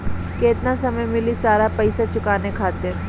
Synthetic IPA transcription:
keːt̪nasɐməjmɪlisaːɾapɐɪsat͡ʃʊkaːnekʰaːt̪ɪɾ

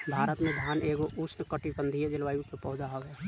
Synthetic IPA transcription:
bʱaːɾət̪mẽd̪ʱjaːneːɡoʔʊsnəkəʈipə̃nd̪ʱied͡ʒɪlʋaːjũkepɔːd͡ʒ̪aɦəʋɦɛ

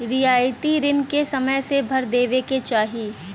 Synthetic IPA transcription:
ɾɪjaːjt̪iɾɪnkesɐməjsebʱɐɾd̪eːʋeket͡ʃaːɦiː

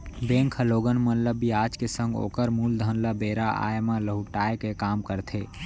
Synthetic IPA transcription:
bẽŋkʰəloːɡənmənləbːiaːd͡ʒkesə̃ŋɡo̰ːkəɾmuːld̪ʱənləbeɾaʔa̰emãləɦuʈaːekekaːmkəɾt̪ʰe

